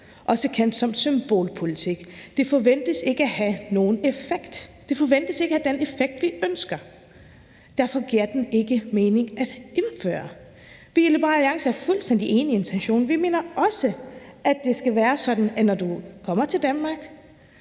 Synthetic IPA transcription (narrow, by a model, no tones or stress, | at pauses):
ʔɒ̽səkʰen̰d̥sɒ̽m̰̥symb̥o̝̰ːlpʰo̝lit͡sʰiɡ̥d̥e̝fɒ̽ʋen̰d̥əse̝ɡ̥əæhæno̝ːn̩efeɡ̥d̥ː | e̝fɒ̽ʋen̰d̥əse̝ɡ̥əhæd̥enefeɡ̥̚d̥ʋiønsɡ̥ɐ | d̥æɐfɒ̽ɡ̥iɐ̰d̥ene̝ɡ̥əme̝ːne̝ŋæd̥emfø̰ːɐ | ʋie̝lebɑiɑ̈ŋsəæɐfulsd̥en̰d̥iʔe̝ːnie̝nt͡sʰenɕo̝̰ːnʋime̝̰ːnɐɒ̽səʔæ̥e̝sɡ̥æʋæːɐsɒ̽d̥n̩ænɒd̥ukʰɒ̽m̰ɐt͡sʰe̝ld̥ænmɑ̈ːɡ̥